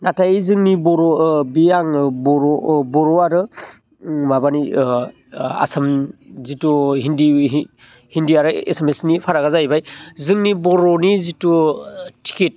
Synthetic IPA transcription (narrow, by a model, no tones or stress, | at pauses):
natʰajizɯŋnibɔɾɔbijaŋbɔɾɔbɔɾɔaɾɯ | mabani | a̰samzituɦindi | hindiaɾɯḛsemesnipʰaɾaɡazajbajzɯŋnibɔɾɔnizitutʰi̥ket̚